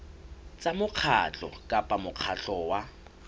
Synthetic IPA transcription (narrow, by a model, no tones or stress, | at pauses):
t͡sʼamʊq͡χʰa̰t͡ɬʼɔ̰kʼapʼamʊq͡χʰaɬʼɔwa